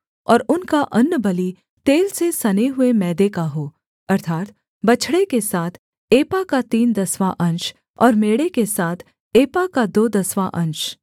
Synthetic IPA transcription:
ɔːɾʊnkaʔɐnːbɐli | t̪eːlsesɐneɦʊemɛːd̪ekaɦoː | ɐɾt̪ʰaːt̪ | bɐt͡ʃʰɽekesaːt̪ʰ | eːpakat̪iːnd̪ɐswaʔɐ̃nt͡ʃ | ɔːɾmeːɽekesaːt̪ʰ | eːpakad̪oːd̪ɐswaʔɐ̃nt͡ʃ

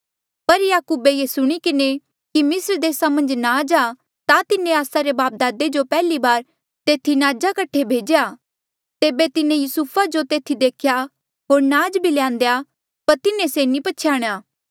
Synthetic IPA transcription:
pɐɾjaːkuːbejesʊɽ̃ikɪne | kimɪsəɾd̪eːsamɐ̃nd͡ʒnaːd͡ʒa | t̪at̪ɪnẽaːsaɾebaːp̚d̪aːd̪ed͡ʒopɛːlibaːɾ | t̪eːt̪ʰinaːd͡ʒakɐʈʰːebʱeːd͡ʒeja | t̪eːbet̪ɪnẽjʊsupʰad͡ʒot̪eːt̪ʰid̪eːkʰja | ɦoːɾnaːd͡ʒbʱilejãːnd̪eja | pɐɾt̪ɪnẽsenĩpɐːʃʰjaːɽ̃jaː

